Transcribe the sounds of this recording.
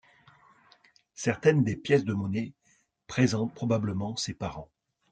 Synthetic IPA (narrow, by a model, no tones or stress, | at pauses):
sɛʁt̪ɛnd̪epjɛsd̪əmɔne | pχezɑ̃t̪̚pχɔbabləmɑ̃sepaʁɑ̃